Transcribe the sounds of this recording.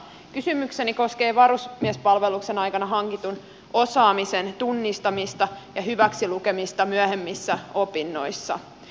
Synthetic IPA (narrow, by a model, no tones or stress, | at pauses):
kysymykse̞niko̞ske̞ːʋɑɾusmiɛspɑlʋe̞lukse̞nɑjkɑnɑɦɑŋkit̪un | o̞sɑːmisent̪unːist̪ɑmist̪ɑjɑɦyʋæksiluke̞mist̪ɑmyæhemːisːæo̞pinːo̞jsːɑ̰